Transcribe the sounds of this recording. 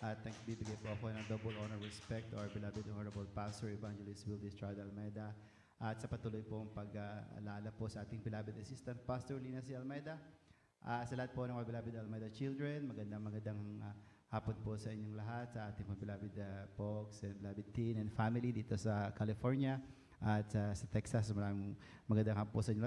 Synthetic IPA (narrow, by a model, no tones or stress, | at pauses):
ʔɐt̪̚nɐɡbibɪɡajpoʔɐko̞nɐŋd̪obɛlonɛɹɹɛspɛk̚t̪oɹbɪlaːbɪd̪ʔonɛɹɐbɐlpast̪ɔɹɛvand͡ʒɛlɪst̪wild̪ist̪ɹad̪ɐlmɛd̪ɐ | ʔɐt̪sɐpɐt̪uːlojpoɐŋpɐɡaɐ̰laːlɐposɐʔaːt̪ɪŋpɪlaːbɪd̪ɐsist̪ɐnt̪̚past̪oɹliːnɐsiɐlmɛd̪ɐ | ʔasɐlɐat̪̚po̞nɐŋmpɐbɪlaːbɪd̪ɐlmɛd̪ɐt͡ʃild̪ɹɛnmɐɡɐnd̪aŋmɐɡɐnd̪aŋŋ | haːponposɐʔɪɲoŋlɐɦat̪̚sɐʔaːt̪ɪŋpɐbɪlaːbɪd̪poksɛnblaːbɪd̪̚t̪inɛnfamɪlid̪iːt̪osɐkalɪfoɹnjɐ | ʔɐt̪sɐsɐt̪ɛksɐs̬mɐam | mɐɡɐnd̪ɐŋhaposɐʔiɲːo